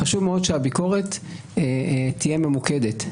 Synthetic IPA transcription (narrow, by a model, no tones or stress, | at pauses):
χaʃuvmeo̞dʃeabiko̞ʁet̪ | tːijeme̞muke̞d̪et